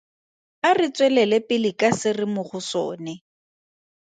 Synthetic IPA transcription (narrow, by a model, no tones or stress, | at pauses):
arɪt͡sʼwɛlɛlɛpʼɪlɪkʼasɪrɪmʊχʊso̰ːnɛ